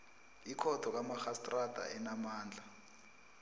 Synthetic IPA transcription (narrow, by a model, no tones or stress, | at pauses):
ikʰɔtʰɔk̬amaxastʼrad̥ʱa̰ʔɛnamaːnd͡ɮʱa